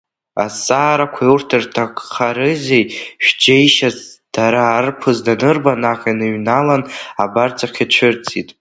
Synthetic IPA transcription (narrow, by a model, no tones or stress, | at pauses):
asʼaːɾakʷʰaurtʰɨrtʰakʼχʰaɾɨzejʃᶣd͡ʒejʃazd̥aɾaːrpʰɨzdanɨrbanaqʲʼanɨɥnalanabart͡sʰʼaqʲʰat͡ʃʷʰɪrt͡sʼitʼ